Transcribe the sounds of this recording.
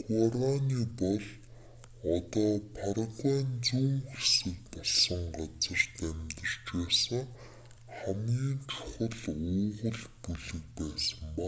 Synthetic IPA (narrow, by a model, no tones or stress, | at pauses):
ɡuaɾaniːpɔɮ | ɔt̪ɔːpʰaɾ̆twæːnt͡suːŋxesɘ̆kpɔɮsə̆ŋɢat͡sə̆rt̪æmt̪ə̆r̥t͡ɕpeːsə̆ŋ | χæmɡiːnt͡ɕʰʊ̥χə̆ɮʊːʁə̆ɮpuɮɘ̆k̚pæːsə̆mpa